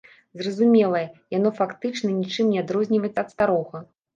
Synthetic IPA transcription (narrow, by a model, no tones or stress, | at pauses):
zrɐzumʲɛlˠɐjɛjanɔfakt̪ɨt͡ʂnɐnʲit͡ʂɨmnʲɛad̪ɾɔzʲnʲivɐjɛt̪sɐːt̪st̪aɾɔɣɐ